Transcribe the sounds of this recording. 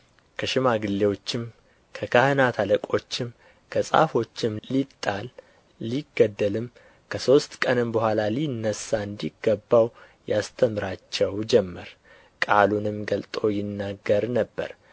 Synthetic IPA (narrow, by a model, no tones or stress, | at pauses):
kʰəʃɪmaɡɨlːe̞wo̞t͡ʃːɪm | kʰəkʰahɨnat̪ʰaləkʼo̞t͡ʃːɪm | kʰəsʼa̰fo̞t͡ʃːɪmlit̪ʼːalː | iɡːəd̪ːəlɨm | kʰəso̞st̪kʼənɨmbəhʷalalinːəsːaɨnd̪iɡːəbːaw | jast̪ʰəmɨɾat͡ʃːɛwd͡ʒɛmːəɾ | kʼalunɨmɡəlt̪ʼo̞jɪnːaɡːəɾnəbːə̰ɾ